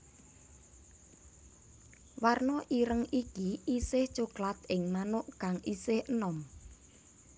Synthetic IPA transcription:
warnɔʔiɾəŋikiisɪht͡ʃuklat̪̚ɪŋmanʊʔkaŋʔisɪhənɔm

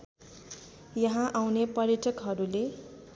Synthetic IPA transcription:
jʌɦãʔawnepʌɾjʌʈʌkɦʌɾule

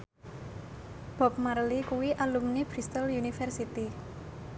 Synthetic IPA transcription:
b̥ɔ̤p̚maɾlikuwiʔalumnibɾist̪əljunifɛrsit̪i

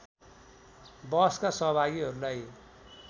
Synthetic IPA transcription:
bʌskasʌɦʌbʱaɡiɦʌɾulaj

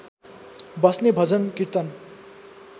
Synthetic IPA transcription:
bʌsnebʱʌd͡zʌnkiɾt̪ʌn

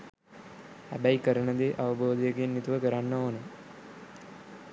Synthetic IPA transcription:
hæ̰bæikəɾəɳəd̪eːʔaʋəboːd̪ijəɡenːit̪uʋəkəɾanːəoːnə

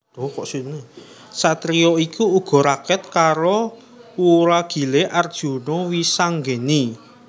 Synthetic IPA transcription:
d̪̥ɔkɔʔsinne | sat̪ɾijɔikuːɡ̥ɔ̤ɾakɛt̪̚kaɾo | uɾaɡ̥i̤leʔard̥ʒ̥ṳnowisaŋɡeni

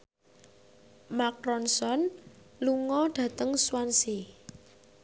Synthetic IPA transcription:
makɾɔnsɔn | luŋɔɖ̥ä̤t̪əŋswansi

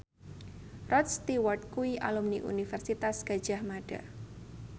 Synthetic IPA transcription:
rɔt̪st̪iwart̪̚kuiʔa̰lumniʔṵnifɛrsit̪asɡ̥a̤d̥ʒ̥a̤hmaɖ̥a̰

